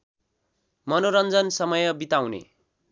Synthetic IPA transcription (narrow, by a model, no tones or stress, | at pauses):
mʌnoɾʌnd͡zʌnsʌmʌjʌbit̪awnḛ